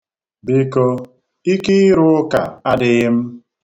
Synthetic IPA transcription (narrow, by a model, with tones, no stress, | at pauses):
bi˦ko˦ | i˦kɪ˦ɪ˦ɾʊ˦ʊ˦ka̰˨a˦dɪ˨ɣɪ˦m̩˦